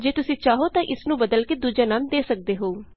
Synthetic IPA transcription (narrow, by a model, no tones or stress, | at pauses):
d͡ʒeːt̪ʊsĩːt͡ʃaːɦoːt̪ãːʔɪsnũːbəd̪əlkeːd̪uːd͡ʒaːnaːmd̪eːsək̚d̪eːɦoː